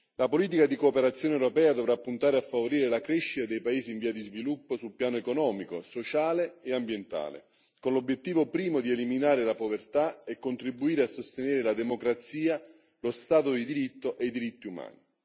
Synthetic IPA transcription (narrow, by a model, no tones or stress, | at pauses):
lapoliːt̪̬ikad̪ikoːpeɾat̪sːjoːneɛwɾopɛːad̪ovɾapːunt̪aːɾeafːavoɾiːɾelakɾeʃːit̪ad̪ejpaeːziːɱviːad̪izvilupːosulpjaːnoekonɔːmikosot͡ʃaːleːambjent̪a̰ːlḛ | konlobjet̪ːiːvopɾiːmod̪ieliminaːɾelapovert̪aekːont̪ɾibuiːɾeasːost̪eneːɾelad̪emokɾat̪siːa | lost̪aːt̪od̪id̪iɾit̪ːoʔejd̪iɾit̪ːiuma̰ːni